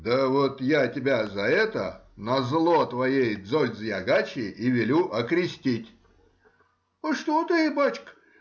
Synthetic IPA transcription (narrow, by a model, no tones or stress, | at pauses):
d̪əvot̪jatʲɪbʲazɐɛt̪ə̰nɐzlˠot̪vɐjejd̪zolʲd̪zjaɡat͡ɕʲɪʔivʲɪlʲuʔɐkɾʲɪsʲt̪ʲitʲ | əʂt̪ot̪ɨbat͡ʃk